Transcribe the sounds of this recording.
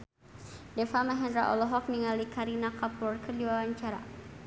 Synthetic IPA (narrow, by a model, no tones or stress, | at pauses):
dɛfamaɦɛnɾa̰ʔɔ̰lɔɦɔk̚niŋalikaɾinakapurkərdiwawaɲt͡ʃaɾa̰